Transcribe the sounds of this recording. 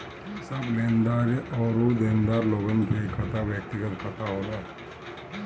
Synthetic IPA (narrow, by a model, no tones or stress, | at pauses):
sɐbleːnd̪aːɾɔːɾod̪ẽːnd̪aːɾloːɡənkʰekʰɐt̪aʋjək̚t̪ɪɡət̪kʰɐt̪aɦoːla